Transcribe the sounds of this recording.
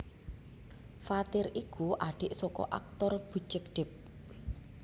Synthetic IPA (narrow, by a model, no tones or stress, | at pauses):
fat̪ɪrikuʔaɖ̥e̤ʔsɔkɔ̰ʔa̰k̚t̪ɔrb̥ṳt͡ʃɪk̚ɖ̥ɪp̚